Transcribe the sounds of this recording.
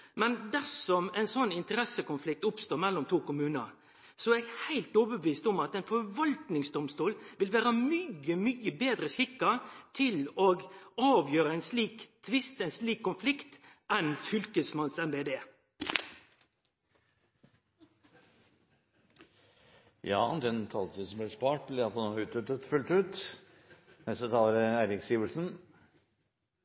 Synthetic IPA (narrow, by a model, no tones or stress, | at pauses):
mɛnd̪æsɔmɛɪnsɔnːɪnt̪əɾɛsəkʊnflɪk̚t̪ʊpst̪oːɾmɛlːɔmt̪ʰuːkʊmʉːnəɾ | sɔɛɡhæɪlt̪oːbəbʋiːst̪ɔmɑt̪ɛɪnfɔɾʋɑlt̪nɪŋsd̪ɔmst̪uːlʋɪlʋæːɾəmyəmyːəbeːd̪ɾəsɪkːɑt̪ʰɪloːɡɑːʋjøːɾəɛɪnsliːkt̪ʰʋɪst̪ɛɪnsliːkʰːʊnflɪkt̪ʔɛnfʏlkəsmɑnsɛnbeːd̪eː | jɑ̰ːd̪ɛnt̪ʰɑlt̪ʰisɔmblɪspɑːʈ̚blɪɑlsɔnoːʉːt̪ʉt̪ːət̪fʉlt̪ʉːt̪ | mɛst̪ət̪ʰɑːləɾæːɾɪksjiːʋəlsn̩